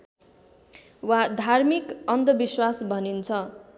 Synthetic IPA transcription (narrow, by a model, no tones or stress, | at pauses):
wad̪ʱarmikʌnd̪ʌbiswasbʱʌnint͡sʰʌ